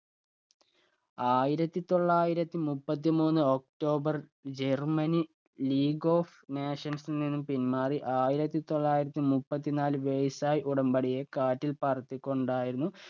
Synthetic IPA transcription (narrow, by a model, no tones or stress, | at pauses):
aːjiɾɐt̪ːit̪o̞ɭːaːjiɾɐt̪ːimupːɐt̪ːimuːnːɨo̞k̚ʈo̞ːbɐrd͡ʑermɐni | liːɡo̞ːfneːʂɐnsnninːumpinmaːriʔaːjiɾɐt̪ːit̪o̞ɭːaːjiɾɐt̪ːimupːɐt̪ːinaːlɨʋejsaːjʔuɽɐmbɐɽije̞kaːʈːilpɐrɐt̪ːikʲːo̞ɳɖaːjiɾunːu